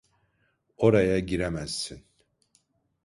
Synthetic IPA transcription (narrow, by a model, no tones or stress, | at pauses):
o̞ɾajaɟiɾemæz̥ːin